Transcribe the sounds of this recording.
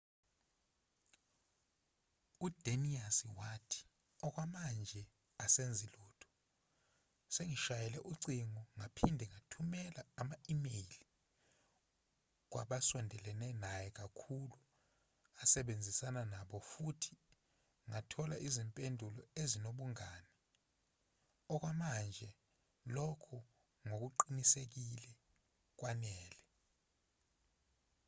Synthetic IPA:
ud̥ʱeniasiwatʰi̥ | ɔk̬wamand͡ʒʱɛ | asend͡zʱiluːtʰɔ̥ | seŋiʃajɛlɛʔuǀiŋɔŋapʰindʱɛŋatʰumɛlaːmaimejli | k̬wʔa̰ɓasɔndʱɛlɛnɛnajɛk̬akʰulu | asɛɓend͡zʱisananaɓɔfutʰi̥ | ŋatʰɔlaʔizimpʼendʱulɔezinoɓuŋaːnɛ | ɔk̬wamand͡ʒʱɛ | lɔkʰɔ | ŋok̬uǃinisek̬ilɛ | k̬wanɛːlɛ

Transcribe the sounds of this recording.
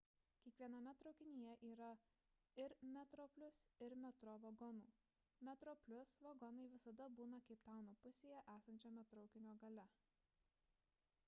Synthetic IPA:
kʲiɛkʋʲiɛnɐmʲɛt̪ɾɒʊkʲɪnʲijɛʔiːɾɐ | ɪɾmʲɛt̪ɾɔpʲlʲʊsɪɾmʲɛt̪ɾɔʋɐɡɔnuː | mʲɛt̪ɾɔːpʲlʲʊsʋɐɡɔnɐɪʋʲɪsɐd̪ɐbuːnɐkɐɪpt̪ɑˑʊnoːpʊsʲeːjɛʔæːsɐnʲt͡ʃʲomʲɛt̪ɾɐʊkʲɪnʲoːɡɐlʲɛ

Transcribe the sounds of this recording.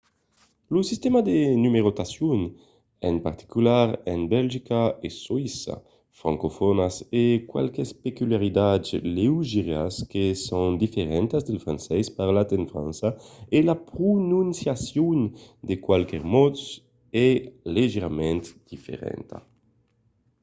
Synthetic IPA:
lusist̪emad̪enymeɾot̪asjun | empaɾt̪i̥kylaɾɛnbɛlʒikaeswisa̰ | fɾaŋkofɔnasekwa̰lkespekylaɾid̪azleuʒiɾjaskesoŋd̪ifeɾɛnt̪azd̪elfɾansɛspaɾlat̪enfɾã̰nsaelapɾunũnsjasjund̪ekwalkɛɾmɔt̪s | ɛleʒeɾamɛ̃nt̪d̪̥ifḛɾɛ̰nt̪a̰

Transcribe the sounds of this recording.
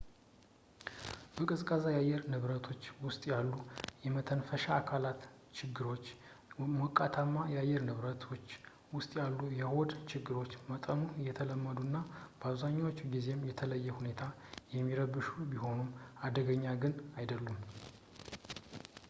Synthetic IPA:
bəkʼɨzkʼazajajːɛɾnɨβɾət̪ʰo̞t͡ʃːwʊst̪ʼjalːujɛmət̪ʰənfəʃaːkʰalat̪ | t͡ʃɪɡːɨɾo̞t͡ʃː | mokʼːat̪ʰamːajajːɛɾnɨβɾət̪ʰot͡ʃː | wʊst̪ʼjalːujɛho̞d̪t͡ʃɪɡːɨɾo̞t͡ʃːmət̪ʼənujɛt̪ʰələmːəd̪unːab̥əaβzaɲːawo̞t͡ʃːɡize̞mjɛt̪ʰələjːɛhune̞t̪ʰajɛmːiɾəbɨʃubiɦo̞numad̪əɡəɲːaɡɨnajd̪əlːum

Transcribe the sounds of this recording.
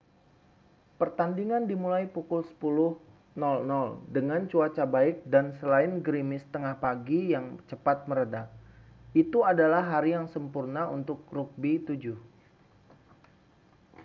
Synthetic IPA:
pərt̪andiŋandimulajpukʊlsə̥pulʊh | nɔlnɔldəŋant͡ʃuat͡ʃabaɪk̚dansəlaɪnɡɾimɪst̪əŋahpaɡijaŋt͡ʃəpat̪̚məɾədak̚it̪uadalahːaɾijaŋsəmpurnaṵnt̪ʊk̚ruk̚bit̪ud͡ʒʊh

